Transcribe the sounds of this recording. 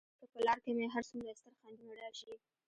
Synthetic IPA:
kəpəlɑɾkemeɦaɾsumdast̪aɾxɑnd̪unaɽɑʃi

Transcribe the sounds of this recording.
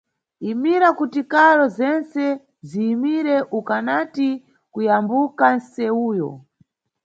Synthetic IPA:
imiɾakutikaɾɔzɛnt͡sɛ | ziːmiɾɛʔukanati | kujambukansɛuːjɔ̰

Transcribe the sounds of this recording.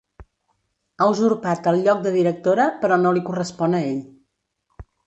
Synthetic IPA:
awzuɾpat̪əlˠʎɔk̚d̪əðiɾək̚t̪oɾəpəɾɔnolikurəspɔnəeʎ

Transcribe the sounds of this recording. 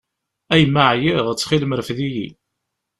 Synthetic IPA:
æjmːəʕjɪʁt͡sːχilməɾəfðiji

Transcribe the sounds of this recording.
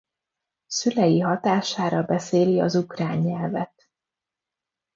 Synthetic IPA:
sylɛjiɦɒt̪aːʃaːɾɒbɛseːliɒ̰zukraːɲːɛlvɛt̪

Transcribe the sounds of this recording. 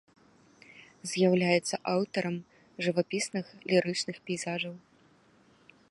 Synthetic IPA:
zʲjawlʲajɛt̪sːɐʔawt̪ɐɾɐm | ʐɨvapʲisnɨxlʲiɾɨt͡ʂnɨxpʲɛjzaʐɐw

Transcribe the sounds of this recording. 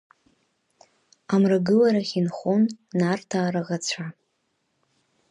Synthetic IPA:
amraɡɨlaɾaχʲinχonːartʰaːɾaʁat͡ɕʷʰa

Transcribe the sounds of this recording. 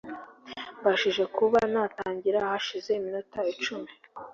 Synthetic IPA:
baʃiʒe̞kuβanaːtaːɲɟiɾahaʃize̞iminutait͡ʃume

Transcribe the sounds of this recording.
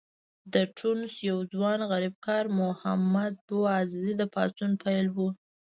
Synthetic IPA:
d̪əʈʰunsjawd͡zwɑnɣaɾib̚kɑɾmʊha̰mad̪̚boɑzɪzid̪əpɑ̰sunpʰajlwu

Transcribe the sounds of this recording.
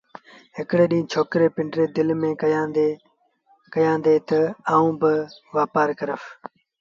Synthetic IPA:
ɦɪkɽeːɗĩːt͡ʃʰoːkɾeːpɪ̃ɳɖɾeːd̪ɪlmẽːkjaːd̪e | kəjãːnd̪eːt̪ɐaːũːbɪʋaːpaːɾkəɾəf

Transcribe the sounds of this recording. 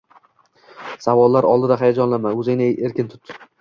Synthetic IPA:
savɒlˠːaɾɒlˠd̪ɪd̪aɦajad͡ʒɒnlamaɵzɪnɪeɾkʲɪnt̪ʰʊ̥t̪

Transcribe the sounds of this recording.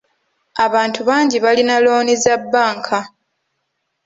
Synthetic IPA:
aβaːntuβaːɲɟiβalinalo̞ːnizabːaːŋkʰa

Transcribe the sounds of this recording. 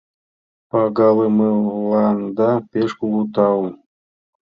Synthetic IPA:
pɑɡɑlˠɤmɯlɑnd̪ɑpʲeʃkulˠut̪ɑwu

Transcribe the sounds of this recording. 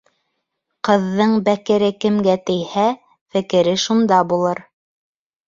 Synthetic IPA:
qɤ̆ðːɤɴbækɘ̆ɾɘkɘ̆mɡæt̪ɘ̆jhæ | fɘ̆kɘ̆ɾɘʃund̪ɑbulˠɤɾ

